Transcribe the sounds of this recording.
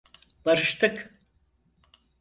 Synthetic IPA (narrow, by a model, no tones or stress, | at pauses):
baɾɯʃt̪ʰɯk